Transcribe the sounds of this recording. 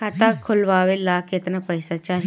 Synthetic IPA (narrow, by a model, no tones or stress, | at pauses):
at̪akʰʊlʋaːwelaːkɪt̪napɐɪsat͡ʃaːɦ